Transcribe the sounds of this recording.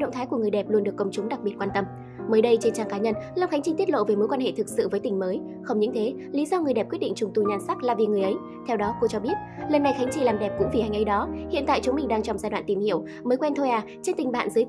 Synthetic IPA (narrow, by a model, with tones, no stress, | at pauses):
ɗə̰˧˨ŋ͡mt̪ʰaː˨˦jku˧˩əŋɨ˨˩əjɗɛ˨˩p̚lu˧ənɗɨ˨˩əkːə˧˩wŋ͡mt͡ɕʊ˨˦ŋ͡mɗa˨˩k̚ɓi˨˩ət̚kwaː˧nt̪ə˧m | məː˨˦jɗə˧jt͡ɕe˧nt͡ɕaː˧˩ŋkaː˨˦ɲə˧nlaː˨˧wŋ͡mxa˨˦ŋ̟t͡ɕï˧ŋ̟t̪i˦˥t̚lo̰˧˨veː˨˩jmo˨˦jkwaː˧nhḛ˧˨t̪ʰɨ˨˩k̚sɨ̰˧˨vəː˨˦jt̪ï˨˩ŋ̟məː˨˦j | xə˧wŋ͡mɲɨ̰˧˥ŋt̪ʰe˨˦ | li˨˦zɔ˧ŋɨ˨˩əjɗɛ˨˩p̚kwtɗḭ˧˨ŋ̟t͡ɕʊ˨˩ŋ͡mt̪u˧˩ɲaː˧˩nsa˦˥k̚laː˨˩vi˨˩ŋɨ˨˩əjʔə˨˦j | t̪ʰɛ˧wɗɔ˨˦ko˧t͡ɕɔ˧ɓi˦˥ət̚ləː˨˩nːa˨˩jxa˨˦ŋ̟t͡ɕi˧˩laː˨˩mɗɛ˨˩p̚kʊ̰˧˥ŋ͡mvi˨˩ha˨˧˩ŋ̟ʔə˨˧˦jɗɔ˨˦hḭ˧˨ənt̪a̰ː˧˨jt͡ɕʊ˨˦ŋ͡mmï˨˩ŋ̟ɗaː˧ŋt͡ɕɔ˧wŋ͡mzaː˧jɗwa̰ː˧˨nt̪i˨˩mhḭ˧˨əw | məː˨˦jkwɛ˧nt̪ʰo˧jʔaː˨˩t͡ɕe˧nt̪ï˨˩ŋ̟ɓa̰ː˧˨nzɨ˨˦j